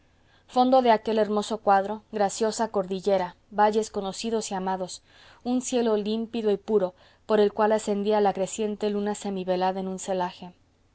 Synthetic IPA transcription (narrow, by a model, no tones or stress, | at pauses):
fo̞nd̪o̞ðe̞ake̞leɾmo̞so̞kwaðɾo̞ɣɾasjo̞sako̞ɾðiʝe̞ɾa | βaʝe̞sko̞no̞siðo̞siamaðo̞s | unsje̞lo̞limpiðo̞ipuɾo̞ | po̞ɾe̞lkwalase̞nd̪ialakɾe̞sje̞nt̪e̞lunase̞miβe̞laðaenũnse̞laxe̞